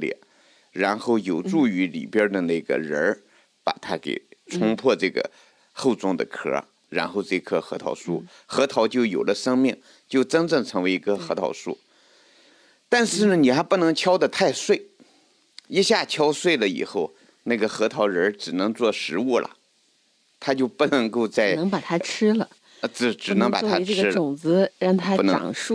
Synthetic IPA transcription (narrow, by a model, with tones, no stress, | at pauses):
ljɛ̰˨˩ | ɻa˧˥nxo˥˩ʊjo˨˩ʊʈ͡ʂu˥˩y˧˥lḭ˨˩pjɑ˥d̪ə˨na˥˩ɡə̰˩ɻə˧˥ | pa̰˨˩t̪ʰa˥kḛ˨˩ɪt͡sʰʊ˥ŋpʰwɔ˥˧ʈ͡ʂɤ˥˩ɡə̰˩ | xo˥˩ʊt͡sʊ˥ŋd̪ə̰˨kʰɤ̰˧˥ | ɻa˧˥nxo˥˧ʊʈ͡ʂɤ˥˩˧kʰɤ˥˧˩xɤ˧˥t̪ʰɑ̰˧˥ʊʂṵ˥˩ | xɤ˧˥t̪ʰɑ˧˥ʊt͡ɕjo˥˩ʊjo˨˩ʊlə˦ʂɤ˥ŋmi˥˩ŋ | t͡ɕjo˥˩ʊʈ͡ʂə˥nʈ͡ʂɤ˥˩ŋʈ͡ʂʰɤ˧˥ŋwe˧˥ɪi˧˥ɡə˧xɤ˧˥t̪ʰɑ̰˧˥ʊʂṵ˥˩ | t̪a˥˧nʂɻ̩˥˩nə˩ni˨˩xa˧˥pu˥˩nɤ˧˥ŋt͡ɕʰjɑ˥ʊd̪ə˨t̪ʰa˥˧ɪswe˥˩ɪ | i˥ɕja˥˩t͡ɕʰjɑ˥ʊswe˥˩ɪlə˩ḭ˨˩xo˥˩ʊ | na˥˩ɡə˩xɤ˧˥t̪ʰɑ˧˥ʊɻə˧˥ʈ͡ʂɻ̩˨˩nɤ˧˥ŋt͡swɔ˥˩ʂɻ̩˧˥u˥˩lʔə̰˩ | t̪ʰa˥t͡ɕjo˥˧ʊpu˥˩nɤ˧˥ŋko˥˧ʊt͡sa˥˩ɪə˧˥ŋpa˨˩t̪ʰa˥ʈ͡ʂ̩ʰ˥lə˨ | ʈ͡ʂ̩˥˩ʈ͡ʂɻ̩˨˩nɤ˧˥ŋpa˨˩t̪ʰa˥˩ɡ̩˥ʊ˨˩ŋt͡sɹ̩˧˥ɻɑ˥˩ŋt̪ʰa˥u˥˩n̰˧˨˩ŋʂu˥˩